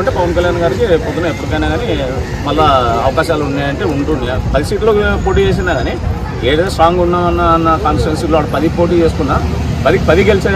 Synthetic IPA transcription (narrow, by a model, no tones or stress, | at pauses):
ɐɳʈeːpɐʋɐnkɐljaːnɡaːɾikipɔd̪unaːepːuɽikɐjnaːɡaːni | mɐlːaɐ̰ʋɐkaːʃaːluɳɖaːjɐɳʈe̞ːuɳʈund̪ipɐd̪isiːʈloːkipo̞ːʈ̬iːt͡ʃe̞ːs̬ind̪aːɡaːni | eːɾet̪esʈɾaːŋɡunːaːmɐnːanːɐkaːnsɐnsiloːɐʈɐpɐd̪ipoːʈ̬iːt͡ʃeːsu̥kunːaː | pɐd̪ikipɐd̪ikelit͡ʃa